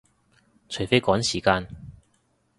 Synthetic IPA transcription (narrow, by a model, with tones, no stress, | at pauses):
t͡ʃʰɵ˨˩fe˥kɔː˨˥ŋsiː˨˩kaː˧n